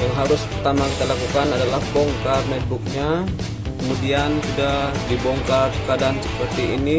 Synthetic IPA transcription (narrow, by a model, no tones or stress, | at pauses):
jaŋɦaɾʊspərt̪amakit̪alakukanadalahbɔŋkarmɛt̪̚buk̚ɲa | kəmudiansudahdibɔŋkarkadansə̥pərt̪iḭni